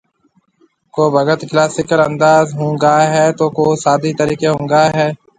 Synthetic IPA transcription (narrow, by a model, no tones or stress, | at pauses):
koːbʱəɡət̪klaːsɪkələ̃nd̪aːzɦũːŋɡaːɦɛːt̪oːkoːsaːd̪iːt̪əɾiːkeɦʊ̃ːŋɡaːɦɛː